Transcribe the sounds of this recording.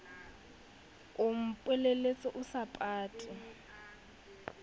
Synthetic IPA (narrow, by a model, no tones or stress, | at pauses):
ʊm̩pʼwɛlelet͡sʼɔʔʊsapʼaːtʼɪ